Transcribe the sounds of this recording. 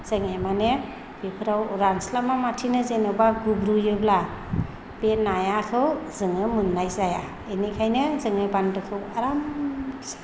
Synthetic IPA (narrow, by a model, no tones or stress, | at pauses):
z̥ɯŋemane | b̥ipʰɯɾawɾanslamamatʰinɯzenɯwbaɡubɾujɯbla | b̥enajakʰɯwzɯŋɯmɯnːajzaja | enikʰajnɯzɯŋɯbandɯkʰɯwaɾamzḁ